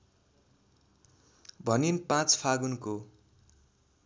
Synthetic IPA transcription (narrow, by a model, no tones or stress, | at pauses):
bʱʌninpãt͡spʰaɡunko